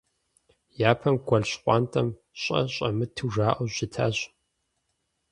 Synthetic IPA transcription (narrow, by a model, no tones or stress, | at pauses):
jaːpʰɐmɡʷɐɮɕqʷʼɑːntʼɐm | ɕʼɐ̰ɕʼɐ̰mɨtʰɨʒaːʔɐʑɪtʰa̰ːɕ